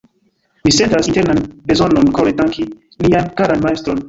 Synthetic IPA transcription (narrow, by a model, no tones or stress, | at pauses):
misentasinteɾnanbezononkoɾetdaŋki | liankaɾanmaestɾon